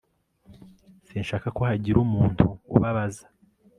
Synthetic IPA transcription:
sinʃaːkakohaɟiɾumuːntʰṵːβaβazḁ

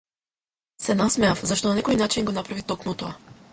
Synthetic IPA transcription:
sɛnasmɛafzaʃt̪ɔnanɛkɔjnat͡ʃinɡonapɾavit̪ɔknɔt̪ɔa

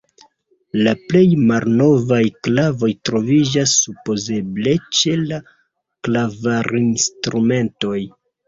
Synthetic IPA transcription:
laple̞jmalno̞vajklavo̞jtɾo̞vid͡ʒasːupo̞ze̞ble̞t͡ʃe̞la | klavaɾinstɾume̞nto̞j

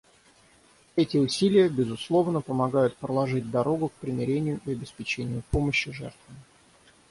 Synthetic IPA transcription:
ɛtʲɪʊsʲilʲɪjəbʲɪzʊslˠo̞vnəpəmɐɡajʊt̪̚pɾəlˠɐʐɨd̚ʲd̪ɐɾo̞ɡʊk̚pɾʲɪmʲɪɾʲenʲɪjʊʔɪɐbʲɪspʲɪt͡ɕenʲɪjʊpoməɕːɪʐɛ̰rt̪vəmʲ

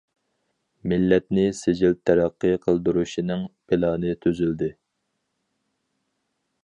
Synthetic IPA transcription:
mɪlːɛt̪nɪsɪd͡ʒilt̪ʰːɛɾɑqːəqʰəlˠd̪uɾuʃinɨŋpɪlɑːnɨt̪ʰyzyld̪ɪ

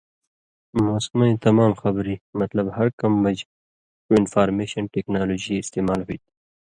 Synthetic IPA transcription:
moːskmanit̪ɐmaːmxɐbɾimɐt̪lɐbhɐɾkɐmːɐd͡ʒ | uɪnfaːɾmeːʃɐnʈeːknaːloːd͡ʒiɪst̪eːmaːlɦuit̪i̥

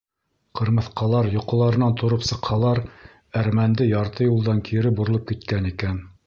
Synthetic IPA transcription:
qɤ̆ɾmɤ̆θqɑlˠɑɾjŏqɤ̆lˠɑɾɤ̆nɑnt̪ŏɾɤpsɤ̆qhɑlˠɑɾ | æɾmænd̪ɘjɑɾt̪ɤjulˠd̪ɑŋkʰiɾɘbuɾɤ̆lˠɤp̚kit̪kænikæn

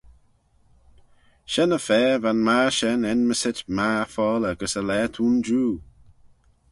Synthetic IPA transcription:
ʃɛnəfɛːvanmaɹʃɛnɛnməsɪtmafɔːləɡəsəlɛːtʰuːnd͡ʒuː

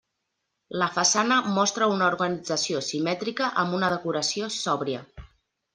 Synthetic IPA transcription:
ləfəsanəmɔst̪ɾəunuɾɣənid͡zəsiosimɛt̪ɾikəʔəmbunəðəkuɾəsiosɔβɾiə

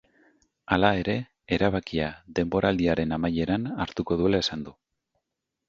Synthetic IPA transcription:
alae̞ɾe̞ | eɾaβ̞akiaðe̞mbo̞ɾʔald̪iaɾe̞namaje̞ɾanaɾt̪uko̞ð̞ue̞laesand̪u

